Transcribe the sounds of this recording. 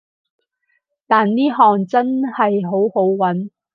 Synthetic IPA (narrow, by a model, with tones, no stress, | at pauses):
t̪aː˨nniː˥ɦɔː˨ŋt͡sɐ˥nhɐ˨jɦo˨˥who˨˥wwɐ˨˥n